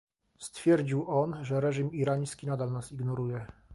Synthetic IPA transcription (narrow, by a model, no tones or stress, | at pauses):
st̪fʲjɛɾd͡ʑiwʔɔnʐɛɾɛʐimiɾaɲskʲinad̪alnasiɡnɔɾujɛ